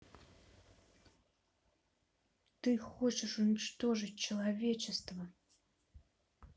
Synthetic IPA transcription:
t̪ɨxot͡ɕɪʂʊnʲɪt͡ɕt̪o̞ʐɨt̚ʲt͡ɕɪlˠɐvʲet͡ɕɪst̪və

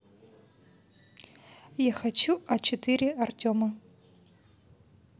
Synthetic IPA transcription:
jaxat͡ɕuɐt͡ɕɪt̪ɨɾʲɪɐrtʲɔmɐ

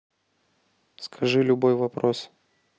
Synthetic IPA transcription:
skʰɐʐɨlʲʊbo̞jvɐpɾos

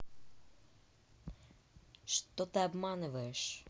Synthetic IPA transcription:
ʃt̪ɔt̪ɪɐbmanʊʋɐjeʃ

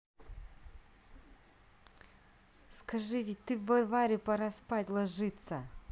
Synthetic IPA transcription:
skɐʐɨvʲit̚ʲt̪ɨvɐvaɾʲɪpɐɾɐspatʲlˠɐʐɨt̪sɐ

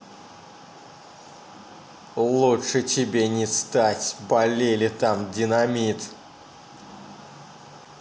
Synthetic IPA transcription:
lˠuʂɨt͡ɕʲɪbʲenʲɪst̪atʲbɐlʲelʲɪt̪amdʲɪnɐmʲit̪

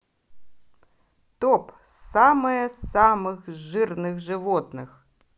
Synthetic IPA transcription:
t̪ɔp | samɐjɐssamɨxʐɨrnɨɣʐɨʋɔt̪nɨx

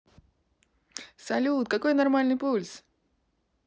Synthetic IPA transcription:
sɐlʲut̪kɐkojnɐrmalʲnɨjpulʲs

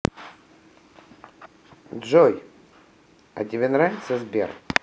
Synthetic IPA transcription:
dʐoj | ɐ̰tʲɪvʲenɾavʲɪt̪səzʲbʲḛr

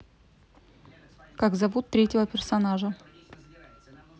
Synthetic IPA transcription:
kaɡzɐvut̪ːɾʲetʲɪvəpʲɪrsɐnaʐə

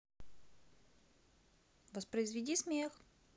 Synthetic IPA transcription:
vəspɾəɪzvʲɪdʲismʲex

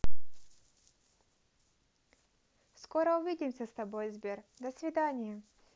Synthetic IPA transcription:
skoɾəʊvʲidʲɪmʲsʲəst̪ɐbo̞jzbʲerd̪əsvʲɪd̪anʲɪjɪ

